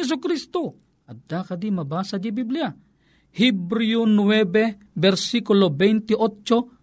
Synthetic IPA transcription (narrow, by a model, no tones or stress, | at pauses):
es̬ukɾist̪o | ad̪akad̪imabasad̪ibiblia | hibɾiunuwebe | bɛrsikulobɛjnt̪iʔot͡ʃːo